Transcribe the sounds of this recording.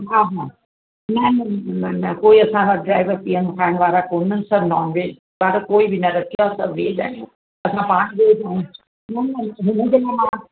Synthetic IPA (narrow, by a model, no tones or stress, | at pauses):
ɦãːɦãː | nɐnɐnɐnɐkoːiɐsãʋaɖɾaːɪʋəɾpiːəmkʰaːɪɽ̃ʋaːɾakoːn̤əsɐbnɔːnʋeːd͡ʑ | ʋaːɾakoːibɪnɐɾɐkʰijasɐbʋeːd͡ʑa̰ːɪ̃õ | ɐsãpãːɽ̃ʋeːd͡ʒaːĩũ | nɐnɐnɐɦɪnə̃d͡ʑeːlaːmãː